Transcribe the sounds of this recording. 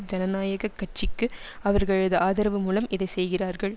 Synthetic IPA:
d͡ʒɐnɐnaːjɐɣɐkːɐʈ̚t͡ʃːɪkːɯ | ɐʋɐɾɣɐɭɐðɐʔaːðɐɾɐʋɯmuːlɐmɪðɐɪsɛjɣɪraːɾɣɐɭ

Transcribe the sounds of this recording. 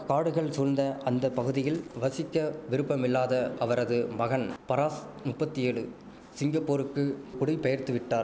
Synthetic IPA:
kaːɽɯɣɐɭsʊlnd̪ɐʔɐnd̪ɐpːɐɣɯðɪjɪlʋɐsɪkːɐʋɪɾɯpːɐmɪlːaːðɐʔɐʋɐɾɐðɯmɐɣɐnpɐɾaːsmʊpːɐt̪ːɪeːɭɯ̰ | sɪŋɡɐpːoːɾɯkːɯkʊɽɪpːɐjɐɾt̪ɯʋɪʈːaːɾ

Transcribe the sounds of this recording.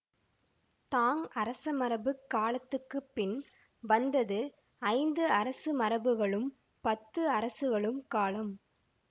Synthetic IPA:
t̪aːŋɐɾɐsɐmɐɾɐbɯkːaːɭɐt̪ːɯkːɯpːɪn | ʋɐnd̪ɐðɯ | ɐɪnd̪ɯɐɾɐsɯmɐɾɐbɯɣɐɭɯm | pɐt̪ːɯɐɾɐsɯɣɐɭɯmkaːlɐm

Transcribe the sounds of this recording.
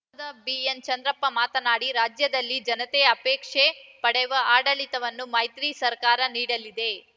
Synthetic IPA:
d̪ɐbient͡ʃɐnd̪ɾɐpːɐmaːt̪ɐnaːɽiɾaːd͡ʒjɐd̪ɐlːid͡ʒɐnɐt̪ɛjɐɐpeːkʂepɐɽɛʋɐʔaːɽɐlit̪ɐʋɐnːumɐjt̪ɾisɐɾkaːɾɐniːɽɐlid̪e̞

